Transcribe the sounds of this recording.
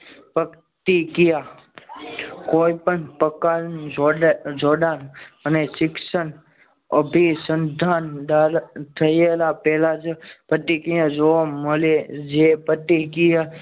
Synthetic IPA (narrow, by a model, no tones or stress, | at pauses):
pək | t̪ikija | koːipəɳpəkaɾnod͡ʒoɖanənesɪksən | əbʱisənd̪ʱand̪aɾt̪ʰəjelapɛɦlat͡ʃʰepət̪ikijãd͡ʒoʋaməled͡ʒepət̪ikija